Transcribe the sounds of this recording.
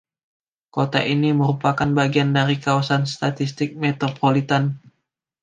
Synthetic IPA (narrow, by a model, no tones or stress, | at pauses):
kot̪a̰ʔiniməɾupakanbaɡiandaɾikawasanst̪at̪ist̪ɪk̚met̪opolit̪an